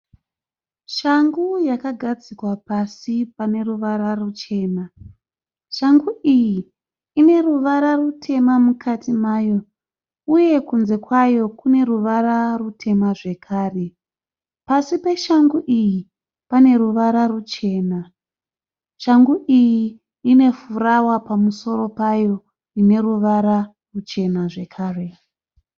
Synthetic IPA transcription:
ʃaŋɡujakaɡʱad͡zikwapasipane̞ruʋaɾarut͡ʃe̞ːna | ʃaŋɡuʔijiː | ne̞ruʋaɾarutʰe̞mamukʰatimaːjo̞ | uje̞kunze̞kwajo̞kune̞ruʋaɾarutʰe̞maʐe̞kʰaːre̞ | pasipe̞ʃaŋɡuʔiji | pane̞ruʋaɾarut͡ʃe̞ːna | ʃaŋɡuʔijiː | ne̞furawapamuso̞ɾo̞pajo̞ | ine̞ruʋaɾa | rut͡ʃe̞naʐe̞kʰaːre̞

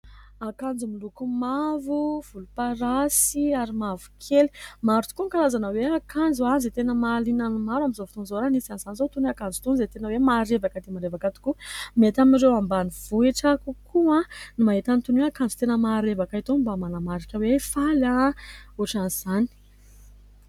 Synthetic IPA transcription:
akand͡zumilukumavuv̥ulupaɾasiaɾimavu̥kʰeli̥maɾut̪u̥kuŋkalazanəweakand͡zuanzit̪enəmalinanimaɾwamizovut̪unzoɾanisanizanizot̪uniakand͡zu̥t̪unzet̪enəwemaɾevakəd̪emaɾevakat̪u̥kumet̪aminɾewambaniv̥ueʈ͡ʂakukʰuãnimaɦet̪anit̪unuakand͡zu̥t̪enəmaɾevakait̪ombamanamaɾikʲəwefalaoʈ͡ʂanz̥ani̥

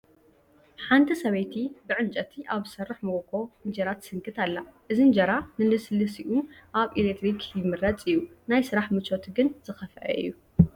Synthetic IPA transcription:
ħant̪ʰisɐβɐjt̪ʰibɨʕɨnt͡ʃʼɐt̪ʰiʔaβsɐrːɨħmokʰo̞ɨnd͡ʒɐɾat̪ʰɨ̥sɨŋkʰɨt̪ʰalːaʔɨzind͡ʒɐɾanɨlɨslɨsiʔuʔaβʔilet̪ɾikʰjɪmɨɾɐt͡sʼijunajsɨɾaħmɨt͡ʃot̪ʰɡɨnz̥ɨxɐfɐʔɐ̰ʔɨ̰jːu

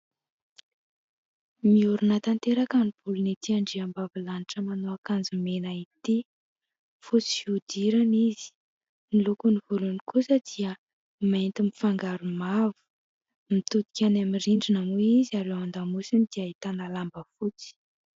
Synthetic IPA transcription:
miuɾunət̪ant̪eɾakanib̥ulunit̪iaɳɖ͡ʐiambavilaniʈ͡ʂəmanoakand͡zumenait̪i | fut͡si̥fiud̪iɾaniz̥i̥ | nilukunivulunikusəd̪̥iə | mant̪imifaŋɡaɾumavu̥ | mit̪ut̪i̥kʲanamiriɳɖ͡ʐinamuizaɾewand̪amusinid̪̥iait̪analambəfut͡si̥

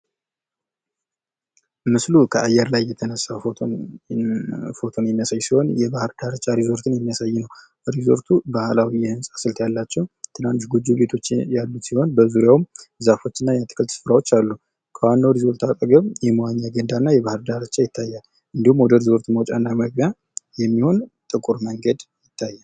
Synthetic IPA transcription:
mɨslukʰəʔajːɛɾlajːɛt̪ʰənəsːa | fo̞t̪ʰo̞njɛnːəsajːsiho̞njɛbahɾd̪aɾət͡ʃʼːaɾizo̞ɾt̪ʰɨnjɛmːijasajːɪnəw | ɾizo̞̰ɾt̪ʰubahlawijɛhɨnsʼḁsɨlt̪ʰjalːat͡ʃːɛwt̪ʰɨnanːʃɡud͡ʒːuβe̞t̪ʰo̞t͡ʃːjalːut̪siho̞nbəzuɾjawmzafo̞t͡ʃːɨnːajɛt̪ʰɨ̥kʰɨlt̪sɨ̥fɾawo̞t͡ʃːalːu | kʰəwanːawɾizo̞ɾt̪ʰakʼəɡəβjɛməwaɲːaɡənd̪anːajɛβahɨɾd̪aɾət͡ʃːajɪt̪ʰːajːal | ʔɨnd̪ihumːwɔd̪əɾizo̞ɾt̪ʰuməwt͡ʃʼanːaməɡja | jɛmːiho̞nt̪ʼɨkʼuɾməŋɡəd̪jɪt̪ʰːajːa

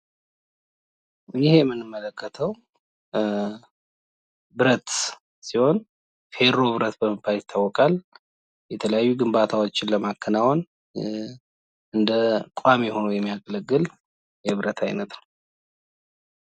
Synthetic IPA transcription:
jɪhejɛmːɨnːɨmːələkʰːət̪ʰəw | bɨɾət̪ | siho̞n | fe̞ɾo̞βɨɾət̪bəməpʰːajɪt̪ʰːawːɔkʼal | jɛt̪ʰələjajːuɡɨmbat̪ʰawo̞t͡ʃːɪnləmakʰːənawon | ɨnd̪əkʷʼamɛho̞nəjɛmːijakʼələɡːɨl | jɛβɨɾət̪ʰa̰jnət̪nəww

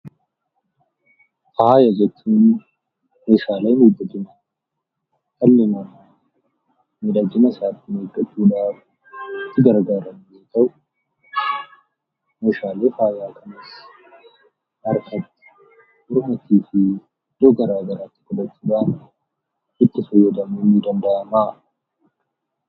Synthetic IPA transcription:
faːjɐd͡ʒɛt͡ʃːuːn | meːʃaːlɐjmeːd̪ːɐd̪ɪnɐ | t̪ɐlːemɐn | med̪ad͡ʒɪnɐsaːt̪ːɪmeːɡʼːɐt͡ʃːuːd̪aːf | t̪ːɪɡɐɾɡaːɾɐnːeːt̪ɐw | meːʃaːleːfaːzaːkʰɐnɐs | ʔɐɾkɐt̪ːɪ̥ | ʔʊɾmɐt̪iːfɪ | d̪̥oɡɐɾaːɡɐɾaːt̪ːɪ̥kɔd̪ɐt͡ʃːuːᶑ̪aː | ɪt̪ːɪfɔjːɔd̪ɐmuːmiːd̪ɐnd̪ɐʔɐmaː

